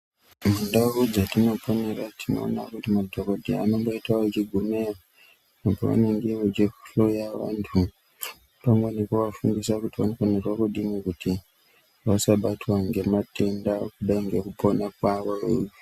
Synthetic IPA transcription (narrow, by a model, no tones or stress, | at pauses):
mundaud͡zatino̞po̞ne̞ratino̞̰ːna̰kutimadʱokodʱiano̞ŋɡo̞itaet͡ʃiɡʱumera | po̰ʋa̰neŋɡeʋet͡ʃiɬo̞jaʋa̰ntʰu | paŋɡonekuʋafundisakutiʋanokonerwakuɗimikuti | ʋasaɓatwaŋɡe̞mate̞ndakuɗaiŋɡe̞kupo̞nakwaʋoe